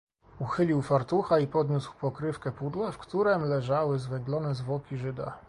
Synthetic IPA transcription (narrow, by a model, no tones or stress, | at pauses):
uxɘlʲiwfaɾt̪uxaipɔd̪ɲuswpɔkɾɘfkɛpud̪lafkt̪uɾɛmlɛʐawɘzvɛŋɡlɔnɛzvwɔkʲiʐɘd̪a̰